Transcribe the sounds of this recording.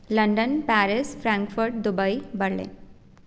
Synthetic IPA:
ləɳɖənpæɾɪsfɾãŋkfuɾʈ̚d̪ubəibəɾlḛ̃

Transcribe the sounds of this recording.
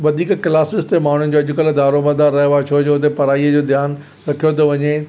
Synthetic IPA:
ʋɐd̪ʱiːkklaːsɪst̪emaːɳ̤un̆d͡ʑoːɐʄʊ̆kɐld̪aːɾomɐd̪aːɾːɐɦaːt͡ɕʰod͡ʑoʊt̪̬epɐɾaːiːəd͡ʑoːd̪ʱjaːn | ɾɐkʰijot̪̬ɐʋɐɲe

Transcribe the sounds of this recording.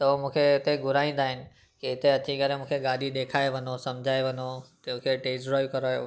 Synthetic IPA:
t̪ɐomũːkʰeɪt̪eɡʱʊɾaːĩːn̆d̪aːɦɪnɪ̆ | keɪt̪eɐt̪ʰikɐɾemũːkʰeɡaːɗiɗ̪eːkʰaːeʋɐ̃nosɐmd͡ʑʱaːeʋɐ̃not̪ɐũːkʰeʈeːzɾoːkɐɾaːjo̰

